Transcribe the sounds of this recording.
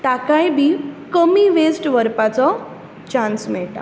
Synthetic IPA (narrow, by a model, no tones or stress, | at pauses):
t̪akãjbʱiːkəmiʋesʈʋəɾpat͡sɔ | t͡ɕãnsmɛɭʈa̰